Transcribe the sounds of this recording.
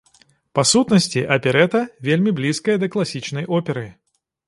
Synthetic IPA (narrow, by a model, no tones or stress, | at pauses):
pɐsut̪nɐsʲtʲiʔɐpʲɛɾɛt̪ɐvʲelʲmʲiblʲiskɐjɐd̪ɐklˠɐsʲit͡ʃnɐjɔpʲɛɾɨ